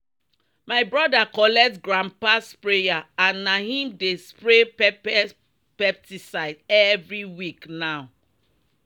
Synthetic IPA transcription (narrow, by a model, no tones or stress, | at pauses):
maɪbɹɔdakɔlɛk̚tɡɹãmpaspɹejaãnːahĩmdespɹepɛ | pɛp̚tisaɪdɛvɹiwiknaʊ